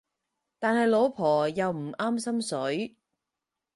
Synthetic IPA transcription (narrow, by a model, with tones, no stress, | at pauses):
t̪aː˨nhɐ˨jlo˨˧wpʰɔː˨˩jɐ˨wm̩˨˩ʔaː˥msɐ˥msɵ˨˥ɥ